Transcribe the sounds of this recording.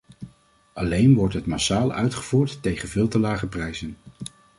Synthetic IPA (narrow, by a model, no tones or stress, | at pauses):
ɑlejnʋɔɹtɦətmasaːlˠœ̰ɥtχəv̥uːɹtːejχənvɪːlˠtəlaːχəprɛjzən